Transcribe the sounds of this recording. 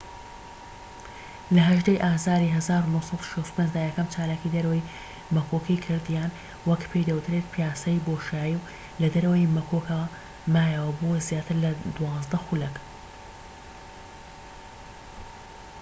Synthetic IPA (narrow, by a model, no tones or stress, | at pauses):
lɐɦɐʒd̪ejʔaːzaːɾiːɦɐzaːɾunosɑd̪u̥ʃɐst̪u̥pʰend͡ʒd̪aːjɛkɐmt͡ʃʰaːlaːkid̪ɐɾɐwɐj | mɐkʰokʰijkʰɨɾd̪jaːn | wɐkpʰe̞jd̪ɐwt̪ʰɾet̪̚pʰijaːsɐjboːʃjaːjiw | lɐd̪ɐɾɐwɐjmɐkʰokʰɐw | maːjɐwɐbozjaːt̪ʰɨɾlɐd̪wɑːzd̪ɐxulɐk